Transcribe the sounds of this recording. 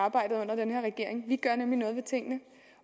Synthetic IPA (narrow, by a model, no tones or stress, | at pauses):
ɑ̈ːb̥ɑ̈ɪ̰d̥ð̩ˠɔ̽n̰ɐd̥enɦe̝ɐ̰ʁɛɡ̥e̝ɐ̰e̝ŋʋiɡ̥ɶɐnemlinɔ̽ːð̞ˠʋe̝t͡sʰe̝ŋ̰ənə